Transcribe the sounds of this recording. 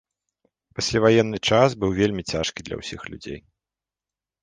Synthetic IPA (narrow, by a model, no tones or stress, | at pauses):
pasʲlʲavajɛnːɨt͡ʂasbɨwvʲelʲmʲit͡sʲaʂkʲid̪lʲɐ̰wsʲixlʲṵd͡zʲḛj